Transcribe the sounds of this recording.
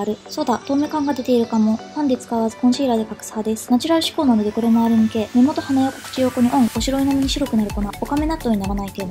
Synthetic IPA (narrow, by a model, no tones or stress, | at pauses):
ɾɯ̟so̞ːd̪at̪o̞ːmekãŋɡad̪e̞t̪e̞iɾɯ̟kamo̞hãnd̪et͡sɨ̥kaβazɨ̥kõɕiːɾad̪e̞kakɯ̟̥shad̪e̞sɨ̥nat͡ɕiɾaɾɯ̟ɕi̥ko̞ːnanod̪e̞ko̞ɾe̞maːɾɯ̟mike̞me̞mo̞t̪o̞hanajako̥kɯ̟̥t͡ɕijo̞ːko̞ɲ̟iʔõ̞ŋoɕiɾo̞inamiɲ̟iɕiɾo̞kɯ̟naɾɯ̟ko̞nao̞kame̞nat̪ːoɲinaɾanaikeɾemo